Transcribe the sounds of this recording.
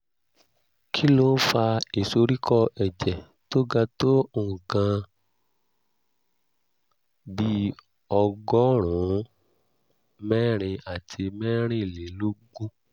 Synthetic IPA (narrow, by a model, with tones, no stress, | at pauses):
kʰi˦lo˦fa˧i˨so˧ɾi˦kʰɔ˦ʔɛ˨d͡ʒɛ˨ | to˦ɡa˧to˦o˧˨ũ˨kã˧ | bi˦ | ɔ˧ɡɔ˦ɾ̃ũ˨˦ | mɛ˦ɾ̃ĩ˧a˨tʰi˧mɛ˦ɾ̃ĩ˦˨le˨˦lo˦ɡũ˦